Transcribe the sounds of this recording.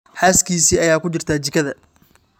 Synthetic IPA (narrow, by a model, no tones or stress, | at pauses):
ħaːskʰiːsiːɐjaːkʊt͡ʃɪrt̪ʰaːt͡ʃɪkʰɐðɐ